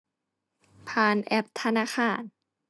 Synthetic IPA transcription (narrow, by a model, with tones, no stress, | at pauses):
pʰaː˧nʔɛ˦˥p̚t̪ʰa˧naː˧˨xʰaː˧˩n